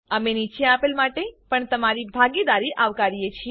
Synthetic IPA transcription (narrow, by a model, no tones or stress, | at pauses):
əmenit͡ʃẽapelmaʈepəɳt̪əmaɾibʱaɡid̪aɾiʔaʋkaɾijet͡ʃʰi